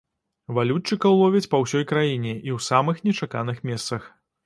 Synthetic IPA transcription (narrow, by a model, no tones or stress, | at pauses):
valʲut͡ʂːɨkɐwlˠɔvʲɛt͡sʲpɐwsʲɔjkɾajinʲɛʔiwsamɨxnʲɛt͡ʂakanɨxmʲɛst̪sɐx